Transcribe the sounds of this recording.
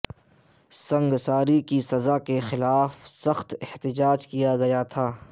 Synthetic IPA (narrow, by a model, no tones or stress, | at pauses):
sɐ̃ŋɡsaːɾikisɐzakexɪlaːfsɐxt̪ɛht̪ɪd͡ʒaːd͡ʒkijaɡɐjat̪ʰaː